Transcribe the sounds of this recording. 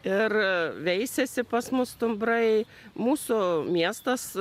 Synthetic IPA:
ɪrʋʲɛɪsʲɛsʲɪpɐsmʊst̪ʊmbɾɐɪ | muːsʊmʲiɛst̪ɐs

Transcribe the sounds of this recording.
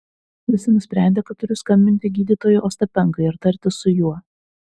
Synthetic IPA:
ʋʲɪsʲɪnʊsʲpʲɾʲæˑnʲd̪ʲeːkɐt̪ːʊɾʲʊskɐmʲbʲɪnʲt̪ʲɪɡʲiːd̪ʲiːt̪oːjʊʔoːst̪ɐpʲɛŋkɐɪɪɾt̪ɐɾʲˑt̪ʲɪsʊjuɔ

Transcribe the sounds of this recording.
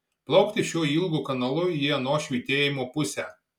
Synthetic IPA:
plˠɐʊkt̪ʲɪʃʲuːiːˑlˠɡuːkɐnɐlˠʊjiɛnoːʃʲʋʲiːt̪ʲeːjɪmoːpʊsʲæː

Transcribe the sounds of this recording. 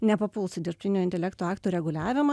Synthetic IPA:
nʲɛpɐpʊlˠsʊd̪ʲɪɾʲp̚ʲt̪ʲɪnʲuːɪnʲt̪ʲɛlʲɛkt̪uɑːkt̪uːɾʲɛɡʊlʲæːʋʲɪmɐ

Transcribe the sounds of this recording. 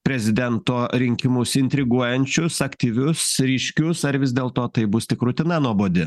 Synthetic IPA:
pʲɾʲɛzʲɪd̪ʲɛnt̪oːɾʲɪŋʲkʲɪmʊsɪnʲt̪ʲɾʲɪɡuɔjɛnʲt͡ʃʲʊsɐkt̪ʲiːʋʲʊsɾʲiːʃʲkʲʊsɐɾʋʲɪzd̪ʲeːlˠt̪oːt̪ɐɪbʊst̪ʲɪkɾʊt̪ʲɪnɐnuɔboːd̪ʲɪ

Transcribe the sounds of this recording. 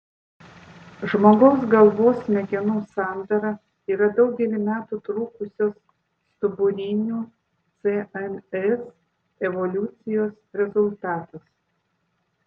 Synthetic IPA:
ʒmoːɡɔʊs̬ɡɐlˠʋoːsmʲɛɡʲɛnuːsɑˑnd̪ɐɾɐ | iːɾɐd̪ɒʊɡʲɛlʲɪmʲæːt̪uːt̪ɾuːkʊsʲoːs | t̪ʊbʊɾʲiːnʲuː | t̪sʲeɛnɛs | ɛʋɔlʲʊt̪sʲɪjoːsɾʲɛzʊlʲˠt̪ɑːt̪ɐs

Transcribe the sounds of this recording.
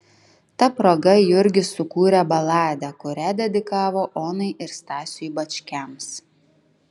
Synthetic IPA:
t̪ɐpɾoːɡɐjʊɾʲɡʲɪsʊkuːɾʲɛbɐlˠɑːd̪ʲɛkʊɾʲæd̪ʲɛd̪ʲɪkɑːʋoːʔoːnɐɪʔɪɾst̪ɑːsʲʊjbɐt͡ʃʲkʲɛms

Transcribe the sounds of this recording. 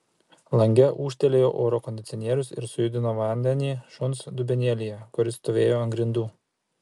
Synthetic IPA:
lˠɐŋʲɡʲɛʔuːʃʲt̪ʲɛlʲeːjoːʔoːɾɔkɔnʲd̪ʲɪt̪sʲɔnʲiɛɾʲʊsɪ̰ɾsʊjʊd̪ʲɪnoːʋɐnʲd̪ʲɛnʲiːʃʊnsd̪ʊbʲɛnʲɛlʲɪjɛkʊɾʲɪst̪oːʋʲeːjoːɐŋɡɾʲɪnd̪uː

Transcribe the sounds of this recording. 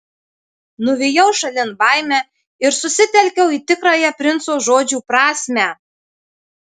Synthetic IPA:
nʊʋʲijɛʊʃɐlʲɪnbɑjmʲæ | ɪɾsʊsʲɪt̪ʲɛlʲkʲɛʊit̪ʲɪkɾɑjɛpʲɾʲɪnt̪soːʒoːd͡ʒʲuːpɾɑːsʲmʲæ

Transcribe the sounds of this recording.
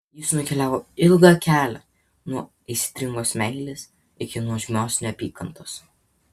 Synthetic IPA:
jɪsnʊkʲɛlʲæːʋoːɪlˠɡɑkʲæːlʲɛ̰ | nuɔ | ɛɪsʲɪ̥t̪ʲɾʲɪŋɡoːsmʲɛɪlʲes | ɪkʲɪnuɔʒʲɪmʲoːsʲnʲoɐpʲiːkɐnt̪oːs

